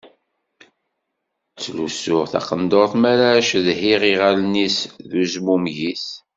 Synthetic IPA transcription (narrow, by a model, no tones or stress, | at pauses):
t͡sːlusʊʁθɑ̰qənd̪oɾˤθmæɾaʃðhiʁiʁalnisðuzmumʝis